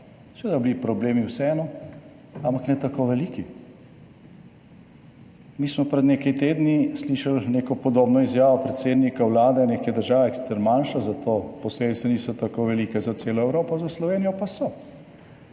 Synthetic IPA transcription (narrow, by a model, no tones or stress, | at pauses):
sʋeːd̪ablipɾɔbleːmiwsɛɛːnɔ | ampaknɛt̪akoʋɛliːki | miːsmɔpɾɛd̪neːkɛjt̪eːd̪nisliːʃalneːkɔpɔd̪oːbnɔizjaːʋɔpɾɛt̪seːd̪nikawlaːd̪ɛneːkɛd̪əɾʒaːʋɛsi̥sɛɾmanʃazat̪ʰoːpɔsebit̪sɛniːsɔt̪akoʋɛliːkɛzat̪seːlɔɛwɾoːpɔzaslɔʋeːnijɔpasɔ